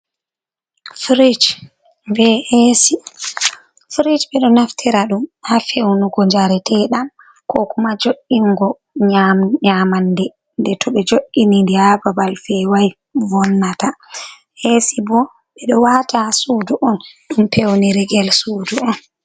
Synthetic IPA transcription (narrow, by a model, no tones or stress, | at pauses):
fɾid͡ʒ | bɛhesi | fɾid͡ʒɓɛɗɔnaftʰɛɾaɗumhafewnuɡɔɲd͡ʒaɾɛtʰɛɗam | kɔkumad͡ʒoʔiŋɡɔ | ɲamɲamandɛ | ndɛtʰɔɓɛd͡ʒoʔːinindihababalfɛwaj | vɔnːata | hesibɔ | ɓɛɗɔwatasuːduʔɔnɗumpʰewniɾɛɡɛlsuːduɔn